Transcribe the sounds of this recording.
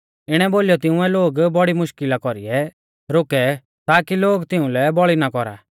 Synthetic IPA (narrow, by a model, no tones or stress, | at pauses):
ɪɽ̃ɛboːlijɔt̪ɪũɛloːɡbɔɽimʊʃkɪlakɔɾiɛ | ɾokɛ | t̪aːkiloːɡt̪ɪũlɛbɔɭinakɔɾa̰